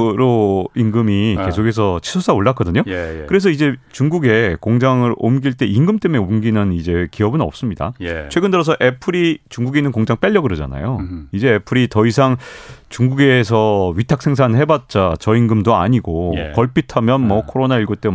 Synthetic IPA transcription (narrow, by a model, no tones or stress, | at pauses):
ɾoiŋɡɯmike̞sʰokʰes̬ʰʌt͡ɕʰi̥sʰos͈ʰaoɭːatk͈ʌdɯɲokɯɾe̞s̬ʰʌid͡ʑe̞t͡ɕuŋɡuɡe̞koŋd͡ʑaŋɯɾo̰mɡiɭt͈e̞iŋɡɯmt͈e̞meomɡinɯnid͡ʑe̞kiʌbɯnʌ̰p̚s͈ɯmɲida̰t͡ɕʰwe̞ɡɯndɯɾʌs̬ʰʌʔe̞pʰɯɾit͡ɕuŋɡuɡinɯnkoŋd͡ʑaŋp͈eʎːʌɡɯɾɯd͡ʑa̰na̰joid͡ʑe̞ːpʰɯɾitʌisʰaŋt͡ɕuŋɡuɡe̞s̬ʰʌɥitʰak̚sʰe̞ŋs̬ʰanɦe̞bat̚t͡ɕ͈at͡ɕʌiŋɡɯmdoa̰ɲiɡokkʌɭpʰitʰamjʌnmʌkʰoɾonaiɭɡot͈e